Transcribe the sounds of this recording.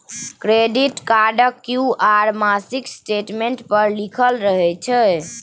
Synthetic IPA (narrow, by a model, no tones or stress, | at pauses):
kɾeɖiʈkaɾɖəkːjuaɾmasiksʈeʈmeɳʈpəɾlikʰəlɾəɦɛt͡ʃʰɛ